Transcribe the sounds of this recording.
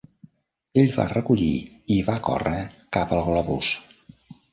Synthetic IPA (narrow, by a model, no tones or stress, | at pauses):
eʎβa̰rəkuʎḭiβakɔ̰rəkapəlˠɣlɔβus